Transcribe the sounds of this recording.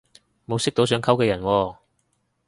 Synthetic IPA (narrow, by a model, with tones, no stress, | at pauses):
mo˨˧wsɪ˥k̚t̪o˨˧wsœː˨˧ŋkʰɐ˥wkɛː˧jɐ˨˩nwɔː˧